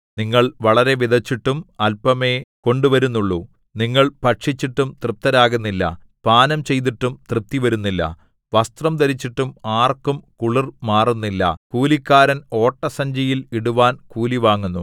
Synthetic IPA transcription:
niŋːɐɭʋɐɭɐɾe̞ʋid̪ʱɐt͡ɕːiʈːumɐlpɐme̞ːko̞ɳɖuʋɐɾunːuɭːu | niŋːɐɭpɐʈʂit͡ɕːiʈːumt̪rɨp̚t̪ɐɾaːɣunːilːɐ̰ | paːnɐmt͡ɕe̞jt̪̬iʈːumt̪rɨp̚t̪iʋɐɾunːilːɐ̰ | ʋɐst̪rɐmt̪ɐɾit͡ɕːiʈːumaːrkumkuɭirmaːrunːilːɐ̰kuːlikʲːaːɾɐno̞ːʈːɐsɐɲd͡ʑɐjiliɽuʋaːnkuːliʋaːŋːunːu

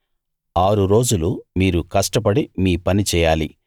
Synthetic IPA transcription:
aːɾuɾo̞ːd͡ʒulumiːɾukɐʂʈɐp̬ɐɽimiːpɐnit͡ʃɛːjaːli

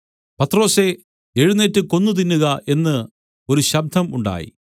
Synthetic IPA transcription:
pɐt̪ːro̞ːse̞ | e̞ɻunetːɨko̞nːut̪̬inːuɣɐʔe̞nːɨ | o̞ɾuɕɐb̚d̪ʱɐmuɳɖa̰ːjḭ

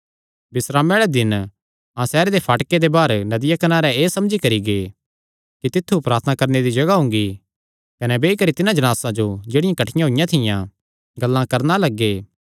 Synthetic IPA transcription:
bɪsɾaːmeːɭɛd̪ɪn | ãsɛːɾed̪epʰaːʈked̪ebaːɾnɐd̪ɪjakɐnaːɾɛeːsɐmd͡ʒikɐɾiɡe | kit̪ɪt̪ʰːupɾaːɾt̪ʰənakɐɾned̪id͡ʒɐɡaɦʊ̃ŋɡi | kɐnɛbeːikɐɾit̪ɪnãd͡ʒɐnaːsãd͡ʒod͡ʒeːɽɪjãkɐʈʰɪjãɦoɪjãt̪ʰɪjã | ɡɐlːãkɐɾnalɐɡːeː

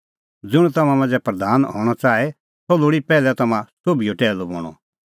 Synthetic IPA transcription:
d͡zʊɽ̃ũt̪ɐmãmɐ̃nd͡zɛpɾɐd̪aːnɦɔ̰ːɽ̃ɔt͡saːe | sɔloːɽipɛːlɛt̪ɐmãsobijoʈɛːlobɔ̰ːɽ̃ɔ̰

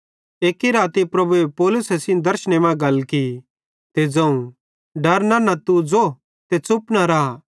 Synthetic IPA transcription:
eːkiɾaːt̪ipɾɐbuepoːlʊsɛsɪ̃nd̪ɐɾʃɽ̃emɛ̃ɡɐlki | t̪ed͡zɐ̃ũ | ɖɐɾnanat̪ud͡zo | t̪et͡sʊpnaɾaː

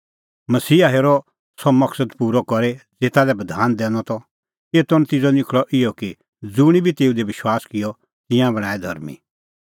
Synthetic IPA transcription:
mɐsiːaɦeːɾɔ | sɔmɐksəd̪puːɾɔkɔɾed͡zeːt̪alɛbɐd̪ʱaːnd̪ɛ̃ːnɔt̪ɔ | eːt̪ɔñt̪ɪd͡zɔnɪkʰɭɔʔɪjɔki | d͡zʊɽ̃ibʱit̪eːud̪eʋɪʃwaːskɪjɔ | t̪ɪjãbɐɽ̃aːɛd̪ʱɐɾmḭ

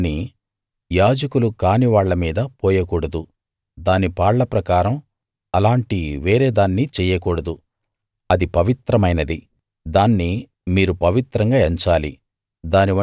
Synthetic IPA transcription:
ni | jaːd͡ʒɐkulukaːniʋaːɭːɐmiːd̪ɐpoːjɐkuːɽɐd̪u | d̪aːnipaːɭːɐpɾɐkaːɾɐm | ɐlaːɳʈiʋeːɾe̞ːd̪aːnːit͡ʃɛːjɐkuːɽɐd̪u | ɐd̪ipɐʋit̪ɾɐmɐjnɐd̪i | d̪aːnːi | miːɾupɐʋit̪ɾɐŋɡaːeɲt͡ʃaːli | d̪aːniɐ

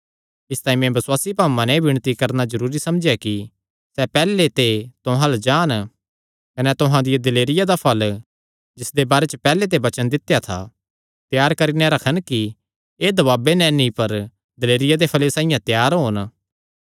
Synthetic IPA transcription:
ɪst̪aːĩmɛ̃bɐswaːsipaːmãnɛbɪɽ̃t̪ikɐɾnazɐɾuːɾisɐmd͡ʒjaki | sɛpɛːlet̪et̪ʊɦãld͡ʒaːn | kɐnɛt̪ʊɦãd̪ɪjad̪ɐleːɾɪjad̪apʰɐl | d͡ʒɪsd̪ebaːɾet͡ʃəpɛːlet̪̬ebɐt͡ʃənd̪ɪt̪ːjat̪ʰa̰ | t̪jaːɾkɐɾinɛ̃ɾɐkʰənki | eːd̪ɐβaːbenɛ̃nipɐɾ | d̪ɐleːɾɪjad̪epʰɐlesãːɪjãt̪jaːɾɦoːn

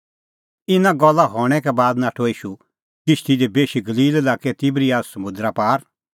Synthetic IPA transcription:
ɪnãɡɔlːaɦɔːɽ̃ɛkɛbaːd̪naːʈʰoiːʃu | kɪʃt̪idebeːʃiɡɐliːlɛlaːkɛt̪ɪbɾiaːssɐmʊ̃nd̪ɾapaːɾ

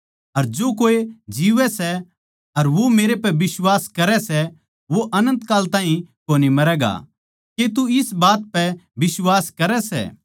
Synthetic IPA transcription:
ɐɾd͡ʒoːkoːed͡ʒiːʋɛsɛ | ɐɾʋomeːɾepɛʋɪswaːskɐɾɛsɛ | ʋoʔɐnə̃nt̪kaːlt̪ãːɦĩkoːnimɐɾɛːɡa̰ | ket̪uɪsbaːt̪̚pɛbɪswaːskɐɾɛsɛ̰ː

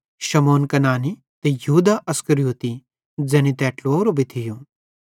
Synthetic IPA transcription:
ʃɐmoːnkɐnaːni | t̪ejɐɦuːd̪aʔɐskɐɾijoːt̪i | d͡ʒɛːñit̪ɛːʈloːɾobʱit̪ʰɪjõ

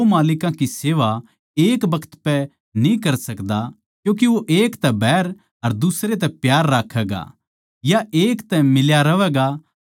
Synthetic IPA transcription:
omaːlɪkãkiseːʋa | eːkbɐkʰə̥t̪pɛ | nĩkɐɾsɐkd̪a | kjũːk̬iʋoʔeːkt̪ɛbɛːɾ | ɐɾd̪ʊsɾet̪̬ɛpjaːɾːaːkʰːɛːɡa̰ | jaeːkt̪ɛmɪljaɾɐʋɛːɡa

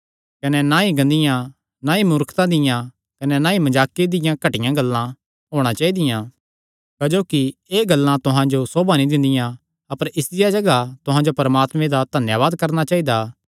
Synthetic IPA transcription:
kɐnɛnaiɡɐ̃nd̪ɪjã | naimʊɾkʰt̪ãd̪ɪjã | kɐnɛnãːimɐd͡ʒaːkid̪ɪjãkɐʈɪjãɡɐlːã | ɦoːɽ̃at͡ʃaːid̪ɪjã | kɐd͡ʒoːkieːɡɐlːãt̪ʊɦãd͡ʒosoːbanĩd̪ɪ̃nd̪ɪjã | ɐpəɾɪsd̪ɪjad͡ʒɐɡat̪ʊɦãd͡ʒopɐɾmaːt̪mẽd̪ad̪ʱɐnjaːβaːd̪kɐɾnat͡ʃaːid̪aː

